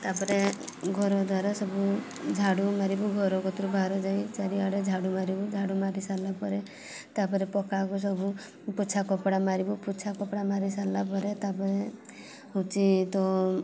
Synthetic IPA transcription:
t̪apɔɾe | ɡʱɔɾɔd̪waɾasɔbu | d͡ʒʱaɽumaɾibuɡʱɔɾɔkɔt̪ɾubʱaɾɔd͡ʒaĩt͡ʃaɾiaɽed͡ʒʱaɽumaɾibud͡ʒʱaɽumaɾisalapɔɾe | t̪apɔɾepɔkakus̬ɔbu | put͡ʃʰakɔpɽamaɾibuput͡ʃʰakɔpɽamaɾisalap̬ɔɾet̪apɔɾe | ut͡ʃit̪ɔ

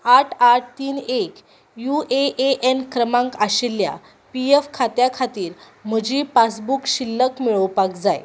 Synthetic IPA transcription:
aʈʰaʈ̚ʰt̪iːnek | jueʔeʔenkɾəmãŋkaɕilja̰ | piefkʰat̪jakʰat̪iːɾ | m̤əd͡ʑiːpasbukɕilːəkmiɭəwpakd͡zaj

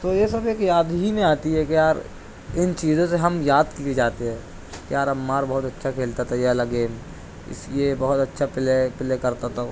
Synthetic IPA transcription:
t̪oːjesɐbeːkjaːd̪ɦimẽaːt̪iɦɛkijaːɾ | ɪnt͡ʃiːzõseɦɐmjaːd̪kied͡ʒaːt̪eɦɛ̃ː | kijaːɾɐmːaːɾbɐɦʊt̪ɐtːʃʰakʰeːlt̪at̪ʰɛjelaɡeːm | ɪ̰sliebɐɦʊt̪ɐtːʃʰapɪlepɪlekɐɾt̪at̪ʰa

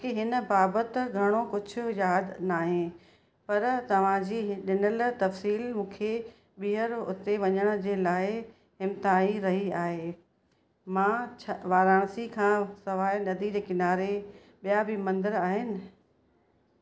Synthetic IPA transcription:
keɦɪnə̆baːbət̪ɪɡʱɐɽ̃okʊd͡ʑʱʊ̆jaːd̪naːɦẽ | pɐɾt̪ɐʋ̤ãd͡ʑiːɗɪnəlt̪ɐfsiːlmũːkʰe | ɓiɦəɾʊ̰t̪eʋɐɲəɽ̃ʊ̆d͡ʑeːlaːɪ | ɦɪmt̪aːiɾɐɦiaːɦeː | mãːt͡ɕʰʋaːɾaːɽ̃sikʰãːsɐʋaːinɐd̪ʱid͡ʑekɪnaːɾe | ɓijabʱɪmɐ̃nd̪əɾaːɦɪnɪ̆

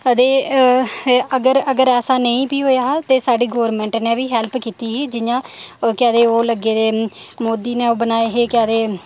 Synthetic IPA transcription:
əd̪eː | əɡəɾəɡəɾɛːsaːnəĩːpiːɦoːjaːt̪eːsaːɖiːɡoːɾmɛ̃ːɳʈnẽːʋiːɦɛlpkiːt̪iːɦeːd͡ʒɪjãːkɪɛːd̪eːoːləɡeːd̪eː | moːd̪iːneːoːbənaːeɦeːkaːd̪eː

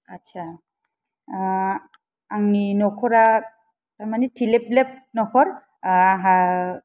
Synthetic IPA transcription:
atːt͡ʃʰa | aŋinɔkʰɔɾa | tamanɛtʰilep̚lep̚nɔkʰɔɾ | aɦa

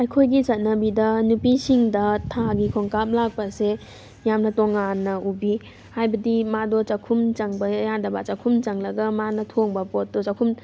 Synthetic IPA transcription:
ɐjkʰojɡit͡ʃɐt̚nɐbidɐnupisiŋdɐtʰaɡikʰoŋkap̚lak̚pɐse | jamnɐtoŋanːɐʔubi | hajbɐdimadɔt͡ʃɐkʰumt͡ʃɐŋbɐjandɐbat͡ʃɐkʰumt͡ʃɐŋlɐɡɐmanɐtʰoŋbɐpot̚dɔt͡ʃɐkʰum

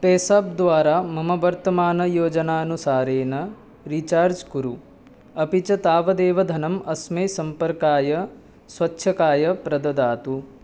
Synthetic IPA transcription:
peːsaːb̚d̪ʋaːɾaːmɐmɐʋɐɾt̪ɐmaːnɐjoːd͡ʒɐnaːɐnusaːɾeːnɐ | ɾit͡ʃaːɾd͡ʒkuɾu | ɐpit͡ʃɐt̪aːʋɐd̪eːʋɐd̪ʱɐnɐmɐsmɐjsɐmpɐɾkaːjɐ | sʋɐtːʃʰɐkaːjɐpɾɐd̪ɐd̪aːt̪u

